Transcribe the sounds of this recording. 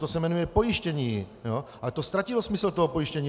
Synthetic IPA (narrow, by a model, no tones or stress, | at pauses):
t̪osɛmɛnujɛpɔjiʃcɛɲiːjo | alɛt̪ost̪ɾacilɔsmisɛlt̪ɔɦɔpojiʃcɛɲiː